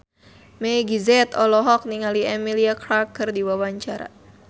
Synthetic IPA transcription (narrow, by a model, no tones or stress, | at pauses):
mɛɡizɛt̪ɔlɔɦɔk̚niŋaliɛmiliakɾakərdiwawaɲt͡ʃaɾa̰